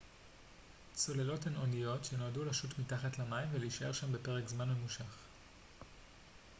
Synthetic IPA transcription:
t͡so̞lelo̞theno̞nijo̞tʃenoadulaʃutmitaχatlamaimveleiʃae̞ʁʃambe̞pe̞ʁekzmanme̞muʃaχ

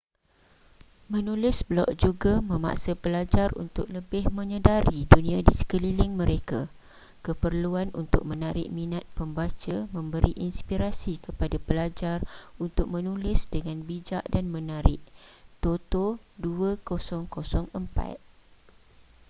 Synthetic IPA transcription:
mə̃nulɪsblɔ̰ʔ̚d͡ʒuɡamə̃ma̰ʔsəpəlad͡ʒarṵnt̪ʊk̚ləbɪhmə̃ɲədaɾidunĩadisə̥kəlilɪŋmə̃ɾeka | kəpərluanʔṵnt̪ʊ̰k̚mə̃naɾɪ̰ʔmĩnat̪̚pəmbat͡ʃamə̃mbəɾiʔinspiɾasikəpadapəlad͡ʒarunt̪ʊk̚mə̃nulɪsdəŋanbid͡ʒaʔdanmə̃naɾɪʔt̪ot̪oduəkosɔŋkosɔŋəmpa̰t̪̚

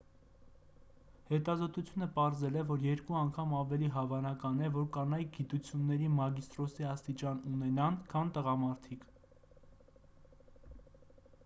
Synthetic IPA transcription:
hɛt̪ɑzɔt̪ut͡sʰjunəpɑɾzɛlɛvɔɾjɛɾkuɑŋkʰɑmɑvɛliɦɑvɑnɑkɑnɛvɔɾkɑnɑj̚ɡit̪ut͡sʰjunːɛɾimɑɡist̪ɾɔsiɑst̪it͡ʃɑnunɛnɑnkʰɑnt̪əʁɑmɑɾt̪ʰikʰ

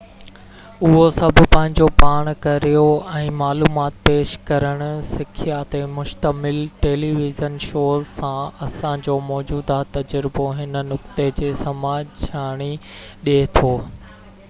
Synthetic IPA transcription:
ʊɦosɐbʱʊ̆pɐ̃ɦɪ̃ɲd͡ʑopaːɽ̃kɐɾijoɛ̃ːmaːluːmaːt̪peːʃkɐɾəɽ̃ʊ̆sɪkʰijat̪emʊʃt̪əmɪlʈeːliːʋɪzənʃoːzsãɐsãd͡ʑoːmɔːd͡ʑuːd̪at̪ɐd͡ʑəɾɪboɦɪn̆nʊkt̪ed͡ʑeːsɐmaːd͡ʑt͡ɕʰaːɽ̃iɗet̪ʰoː

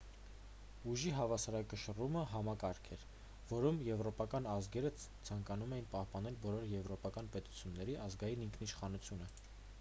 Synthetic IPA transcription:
uʒiɦɑvɑsɑɾɑkəʃəruməɦɑmɑkɑɾkʰɛɾ | vɔɾumjɛvɾɔpɑkɑnɑzɡɛɾət͡sʰɑŋkɑnumɛjinpɑhpɑnɛlbɔlɔɾjɛvɾɔpɑkɑnpɛt̪u̥t͡sʰjunːɛɾiʔɑzɡɑjiniŋkʰniʃχɑnut͡sʰjunə

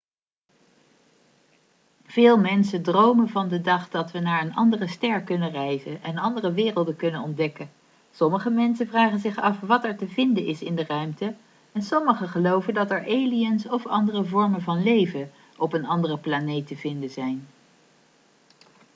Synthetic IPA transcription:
v̥ɪːlˠmɛnsəndrowmənvɑndədɑχdɑtʋənaːɹənɑ̰ndərəstɛɹkɵnərɛjzənʔɛnɑndərəʋɪːrəlˠdəkɵnənɔndɛkə | sɔməχəmɛnsənvraːχənzɪχɑfʋɑtɛɹtəvɪndəɪsɪndərœɥmtə | ɛnsɔməχəχəlowvəndɑtɛɹʔejliənsɔfɑ̰ndərəvɔɹmənvɑnlejvə | ɔpənɑndərəplanejtəvɪndənzɛjn

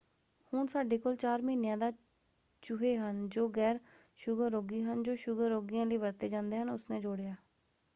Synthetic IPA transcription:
hʊnsaːɖeːkoːlt͡ʃaːɾmiːnjãːd̪aː | t͡ʃʊɦeːɦənd͡ʒoːɡɛːɾ | ʃʊɡəːoːɡiːɦənd͡ʒoːʃʊɡəɾːoːɡiːjãːləiːʋəɾt̪eːd͡ʒãːnd̪eːɦənʊsnẽːd͡ʒʊːɽejaː

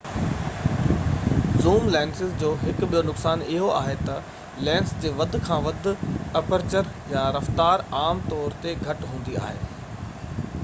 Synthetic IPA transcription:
zuːmlɛ̃ːnsɪzd͡ʑoːɦɪkɓijonʊksaːnɪɦoaːɦet̪ɐ | lɛ̃ːnsd͡ʑeːʋɐd̪ʱʊ̆kʰãːʋɐd̪ʱʊ̆ɐpəɾt͡ɕəɾjaɾɐft̪aːɾaːmt̪ɔːɾt̪eɡʱɐʈɦũːnd̪ia̰ːɦḛː

